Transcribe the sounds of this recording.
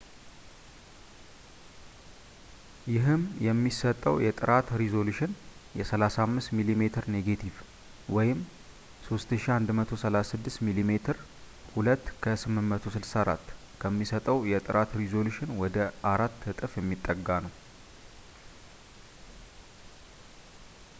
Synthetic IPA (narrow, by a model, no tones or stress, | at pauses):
jɪɦɨmjɛmːisət̪ʼːəwjɛt̪ʼɨɾat̪ɾizo̞luʃɪnjɛsəlasamːɨst̪milime̞t̪ʰɨɾneɡet̪ʰiv | wɔjɪm | so̞st̪ɨʃiand̪mət̪ʰo̞səlasɨd̪ːɨst̪milime̞t̪ʰɨɾ | hulət̪ːkʰəsɨmːɨnmət̪ʰo̞sɨlsaɾa̰t̪ː | kʰəmːisət̪ʼəwjɛt̪ʼɨɾʔat̪ɾizo̞luʃɪnwɔd̪əʔaɾat̪ːɨt̪ʼɨfjɛmːit̪ʼːəɡːanəw